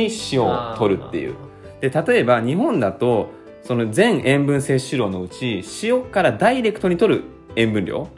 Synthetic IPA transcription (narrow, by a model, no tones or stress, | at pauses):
iɕio̰ːt̪o̞ɾɯ̟t̪ːe̞̰jɯ̰ | d̪̥e̞t̪at̪o̞e̞baɲ̟iɦõ̞nd̪at̪o̞ | so̞no̞zẽ̞ɰ̃ʔẽ̞mbɯ̟̃ɰ̃se̞ːɕiɾo̞ːno̞ɯ̟t͡ɕiɕio̞kaɾad̪aiɾe̞kɯ̥t̪o̞ɲ̟it̪o̞ɾɯ̟ | ẽ̞mbɯ̟̃nɾʲʔo̞̰ː